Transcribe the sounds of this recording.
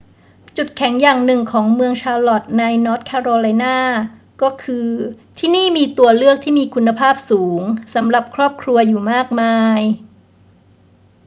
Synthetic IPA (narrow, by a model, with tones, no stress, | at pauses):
t͡ɕu˨˩t̪̚kʰɛ˩˦ŋjaː˨˩ŋnɯ˨˩ŋkʰɔː˩˦ŋmɯ˧əŋt͡ɕʰaː˧lɔ˨˩t̪̚na˧jnɔː˦˥t̪̚kʰɛː˧ɾoː˧la˧jnaː˥˩ | kɔː˥˩kʰɯː˧t̪ʰiː˥˩niː˥˩miː˧t̪u˧əlɯ˥˩ək̚t̪ʰiː˥˩miː˧kʰu˧nːa˧pʰaː˥˩p̚suː˩˦ŋsa˩˦mɾa˨˩p̚kʰɾɔː˥˩p̚kʰɾu˧ɐjuː˨˩maː˥˩k̚maː˧j